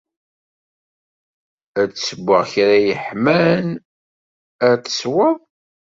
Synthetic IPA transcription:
æt͡sːsəbʷːəʁçɾæjəħmæn | æt͡sə̥swəðˤ

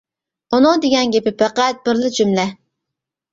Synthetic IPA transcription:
unɨŋd̪eɡʲɛnɡʲepɪpʰæqæt̪̚b̥ɪɾlɪd͡ʒymlɛ

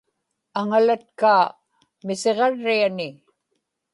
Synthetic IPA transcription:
aŋalat̪̚kaː | mɪseʁɑɻːianɪ

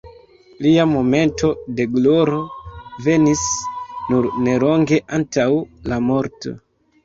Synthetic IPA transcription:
liamo̞me̞ntʰo̞de̞ɡlo̞ɾo̞ve̞nisnuɾne̞lo̞ŋɡe̞ʔantawlamo̞ɾto̞̰

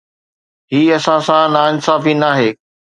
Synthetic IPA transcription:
ɦiːɐsãsãnaːɪnsaːfinaːɦeː

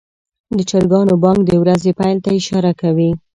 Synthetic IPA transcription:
d̪ət͡ʃaɾɡɑnobɑŋk̚d̪əwɾazepajlt̪aɪʃɑɾakawi

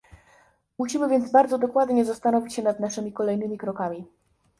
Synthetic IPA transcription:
muɕimɘvʲjɛnd̪zbaɾd̪zɔd̪ɔkwad̪ɲɛzast̪anɔvʲit͡ɕɕɛnad̪naʂɘmʲikɔlɛjnɘmʲikɾɔkamʲi

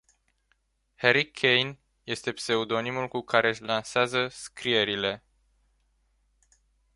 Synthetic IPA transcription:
heɾikʲʰejn | je̞st̪e̞pse̞ud̪o̞nimulkukaɾe̞ɨʃlanseazəskɾie̞ɾile̞

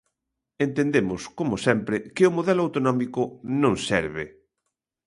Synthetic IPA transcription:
ẽnt̪end̪emʊskomosɛmpɾɪkɪomoðɛloawt̪onɔmikʊnõŋsɛɾβɪ̰

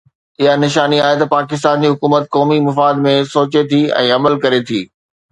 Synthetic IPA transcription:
ɪɦanɪʃaːniaːɦet̪ɐpaːkɪs̬t̪aːnd͡ʑiːɦʊkuːmət̪̚kɔːmimɐfaːd̪mẽsoːt͡ɕet̪ʰiːɛ̰̃ːɐməlkɐɾet̪ʰiː

